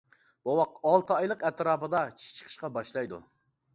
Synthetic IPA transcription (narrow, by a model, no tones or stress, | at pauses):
b̥owɑq̚ɑlˠt̪ʰɨɑjlˠəqɛt̪ɾɑːpɨd̪ɑt͡ʃʰi̥ʃt͡ʃʰə̥qʰə̥ʃqɑbɑʃlˠɑjd̪ṵ